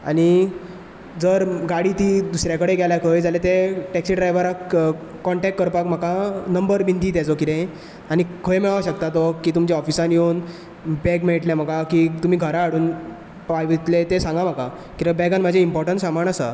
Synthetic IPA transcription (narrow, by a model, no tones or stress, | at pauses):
a̰ñi | d͡zəɾɡaɽiːt̪iːd̪usɾjakəɽeɡaljakʰəjd͡zalet̪eʈɛksiɖɾajʋəɾakkɔɳʈɛk̚ʈːkəɾpakm̤akanəmbəɾbʱind̪iːt̪at͡sɔkit̪ẽ | añikʰəjmɛɭaʋɕək̚t̪at̪ɔkiːt̪umd͡ʑaɔfisãnjon | bɛkmeʈljam̤əkakit̪um̤iːɡʱəɾaːɽuːn | pajʋit̪let̪esãŋɡam̤aka | kit̪ẽbɛɡanm̤ːəd͡ʑʱeimpɔɾʈəɳʈsamaɳəsa